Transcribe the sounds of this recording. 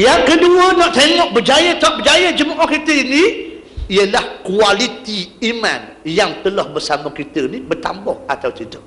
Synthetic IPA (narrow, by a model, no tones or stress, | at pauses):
jaŋkəduənɔ̃ʔt̪eŋɔʔ̚bəd͡ʒajət̪ɔʔ̚bəd͡ʒajəd͡ʒəmuʔɔhkit̪əinĩ | iəlahkualit̪iimã̰n | jaŋt̪əlahbəsamakit̪ənibərt̪ambɔhat̪awtit̪ə